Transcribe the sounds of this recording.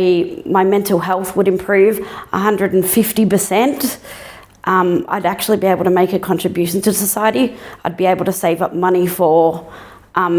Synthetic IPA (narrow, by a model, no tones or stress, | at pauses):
maɪmɛ̃ntʰˡl̩ˠɦɛlˠθwəɾɨ̃mpʰɹ̥ʉvʔə̰ɦʌ̃ndɹɨɾn̩fɪftipə˞sɛ̃nt | ʔʌ̃ʔa̰ɪɾæk̚t͡ʃʉl̩ˠibieɪbl̩ˠtʰəmeɪkɨkʰɑ̃ntɹ̥ɨbjʉʃn̩tʰɨsəsaɪɨɾiaɪd̚bieɪbl̩ˠtʰɨseɪvʌp̚mʌnifə˞ | ʔ